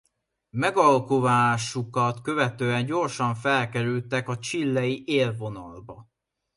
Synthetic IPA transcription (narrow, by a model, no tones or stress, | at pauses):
mɛɡɒlkovaːʃukɒt̪kø̞vɛt̪øːɛɲɟo̞rʃɒɱfɛlkɛɾylt̪ɛkɒt͡ʃilːɛjiʔeːlvo̞nɒlbɒ